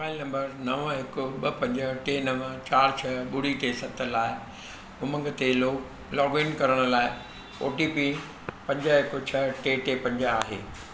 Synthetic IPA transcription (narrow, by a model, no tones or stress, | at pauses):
obaːilnɐ̃mbəɾnɐʋɦɪkʊɓɐpɐ̃ɲd͡ʑəʈeːnɐʋət͡ɕaːɾt͡ɕʰɐɓʊɽiʈeːsɐt̪ʰəlaːɪ | ʊmə̃ŋɡt̪eloːk | lɔːɡɪnkɐɾəɽ̃ʊ̆laːɪ | o̰ːʈipi | pɐ̃ɲd͡ʑəɦɪkʊt͡ɕʰɐʈeːʈeːpɐ̃ɲd͡ʑəaːɦḛː